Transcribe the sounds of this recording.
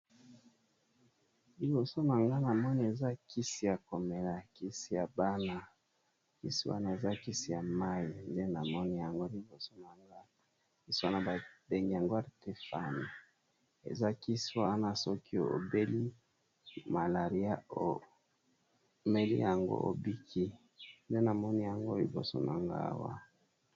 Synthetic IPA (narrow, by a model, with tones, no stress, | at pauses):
li˨bo˨so˦na˨ŋɡa˦na˨mɔ˦ni˦e˨za˦ki˦si˦ja˨ko˨me˨la˨ki˦si˦ja˨ba˦na˦ | kḭ˦sḭ˦wa̰˦na˦˨e˨za˦ki˦si˦ja˨ma˦i˨nde˦na˨mɔ˦ni˦ja˨ŋɡo˦li˨bo˨so˦na˨ŋɡa˦ | i˦sa˦na˨ba˨de˨ŋɡe˨ja˨ŋɡo˦a˦˨te˦fa˦ni˨ | ḛ˨za˦ki˦si˦wa˦a˦na˦sɔ˦ki˦o̰˨be˦li˦ | ma˨la˨ʁi˦a˦o˨ | me˦lḭ˦ja˨ŋɡo̰˦ʔo̰˨bi˦kʰi˦ | nde˦na˨mɔ˦ni˦ja˨ŋɡo˦li˨bo̰˨so̰˦na˨ŋɡa̰˦wa̰˦